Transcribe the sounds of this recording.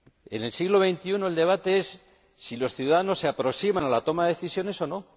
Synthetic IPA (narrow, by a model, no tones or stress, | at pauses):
e̞̰ne̞lsiɣlo̞βe̞jnt̪iuno̞eld̪e̞β̞at̪e̞esː | ilo̞sθjuðaðano̞sːeapɾo̞ksimanalat̪o̞maðeeθisjo̞ne̞so̞no̞